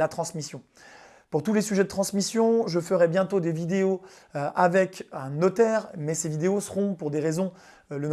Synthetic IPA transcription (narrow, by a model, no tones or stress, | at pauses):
at̪χɑ̃smisjɔ̃ | puʁt̪ulesyʒɛd̪ət̪χɑ̃smisjɔ̃ʒəfəʁɛbjɛ̃t̪od̪evid̪eo | ʔavɛkɛ̃nɔt̪ɛːʁmɛsevid̪eosəʁɔ̃puʁd̪eʁezɔ̃ | lən